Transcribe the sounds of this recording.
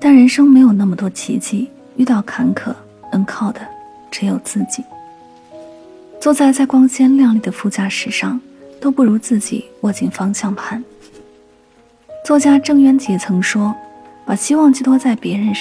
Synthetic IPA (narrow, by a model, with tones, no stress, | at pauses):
t̪a˥˩nɻə˧˥nʂɤ˥ŋme˧˥ɪjo˨˩ʊna˥˩mə˩t̪wɔ˥t͡ɕʰḭ˧˥t͡ɕʰi˥˩ | y˥˧t̪ɑ˥˩ʊkʰa˧˥nkʰɤ̰˥˩ | ə˧˥nkʰɑ˥˩ʊd̪ə˩ | ʈ͡ʂɻ̩˧˥jo˨˩ʊt͡sɹ̩˥˩t͡ɕi˨˩˦ | t͡swɔ˥˧t͡sa˥˧ɪt͡sa˥˩ɪkwɑ˥ŋɕjɛ˥nljɑ˥˧ŋli˥˩d̪ə˩fu˥˩t͡ɕja˥˩ʂɻ̩˧˥ʂɑ˥˧ŋ | t̪o˥ʊpu˥˩ɻu˧˥t͡sɹ̩˥˩t͡ɕḭ˨˩wɔ˥˩t͡ɕi˥˩ŋfɑ˥ŋɕjɑ˥˩ŋpʰa˥˩n | t͡swɔ˥˩t͡ɕja˥ʈ͡ʂɤ˥˩ŋɥɛ˥nt͡ɕi˧˥t͡sʰɤ˧˥ŋʂwɔ˥ | pa˨˩ɕi˥wɑ˥˧ŋt͡ɕi˥˧˩t̪wɔ˥t͡sa˥˩ɪpjɛ˧˥ɻə˧˥n